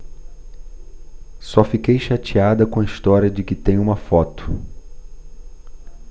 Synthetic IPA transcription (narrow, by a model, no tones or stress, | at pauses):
sɔfikejʃat͡ʃiad̪ɐkõɐist̪ɔɾjɐd͡ʒɪkɪt̪ẽj̃ũmɐfɔt̪ʊ̥